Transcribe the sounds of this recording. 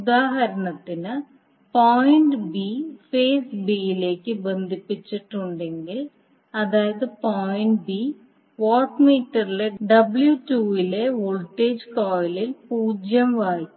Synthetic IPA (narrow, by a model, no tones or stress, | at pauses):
uðaːɦɐɾɐɳɐt̪ːinɨ | poːjiɳɖbifeːsbijile̞ːkːɨbe̞nd̪ʱipːit͡ɕːiʈːuɳɖe̞ŋɡil | ɐðaːjɐðɨpoːjiɳɖbi | ʋoːʈmiːʈːɐrileɖɐbljutuːile̞oɭʈːeːd͡ʑkoːjɐlilpuːd͡ʑjɐmʋaːjiː